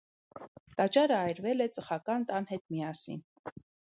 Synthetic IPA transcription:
t̪ɑt͡ʃɑɾəɑjɾvɛlɛt͡səχɑkɑnt̪ɑnhɛt̪̚mijɑsḭn

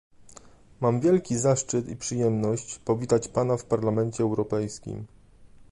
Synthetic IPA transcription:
mamvʲjɛlkʲizaʂt͡ʂɘt̪ḭpʂɘjɛmnɔɕt͡ɕpɔvʲit̪at͡ɕpanafpaɾlamɛnt͡ɕɛːwɾɔpɛjskʲḭm

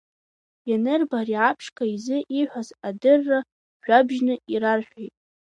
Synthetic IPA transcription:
janɨrbariʕapʰʂkʼaizɨʔiħʷᶣazadɨrːa | ʒ̥ʷᶣabʒnɨiɾarħᶣʷejtʼ

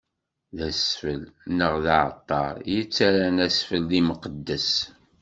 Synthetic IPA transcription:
ðæsfəlnəʁðaʕə̰t̪ˤːɑɾjət͡sːaɾænæsfəlːiməqəd̪ːəs

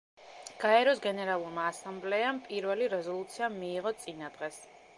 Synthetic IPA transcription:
ɡ̥aɛɾɔsɡɛnɛɾalˠuɾmaːsamblɛampʼiɾvɛliɾɛzɔlˠut̪sʰiamiːʁɔt̪sʼinad̪̥ʁɛs

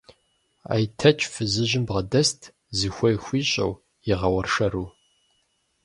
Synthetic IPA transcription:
a̰jtʰɐt͡ʃʰʼfɨzɨʑɪmbʁɐdɐstʰ | zɨxʷɔjxʷiːɕʼɐ̰w | jɪʁɐwɐrʂɐɾuː

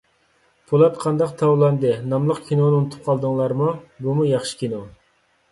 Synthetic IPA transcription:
pʰulˠɑt̪qʰɑnd̪ɑqt̪ʰɑwlˠɑnd̪ɨnɑmlˠəqkʲʰinonɨunɨt̪ʰu̥p̚qʰɑlˠd̪ɨŋlˠɑɾmubumujɑχʃɨ̥kʲʰino

